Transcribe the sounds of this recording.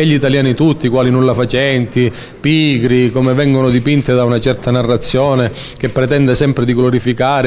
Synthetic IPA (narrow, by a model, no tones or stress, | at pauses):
ɛʎːit̪aljaːnit̪ut̪ːikwaːlinunlːafat͡ʃɛnt̪i | piːɡɾikomevɛŋɡonʊd̪ipint̪ed̪aunat͡ʃɛrt̪anarːat̪sːjoːne | k̟epːɾet̪ɛnd̪esɛmpɾed̪iɡloɾifikaːɾ